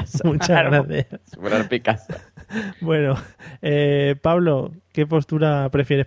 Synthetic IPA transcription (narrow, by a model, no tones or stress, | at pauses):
mut͡ʃazɣɾaθjasɾaɾpikasabwe̞noepaβlo̞ke̞p̬o̞st̪uɾapɾe̞fje̞ɾe̞